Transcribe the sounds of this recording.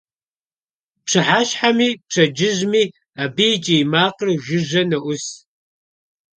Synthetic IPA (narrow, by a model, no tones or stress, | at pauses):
pʂʰɨħaːɕħamiːpʂʰɐd͡ʒɪʑmiː | aːbit͡ʃʼijmaːqərʒɪʒɐnɐʔʷʊs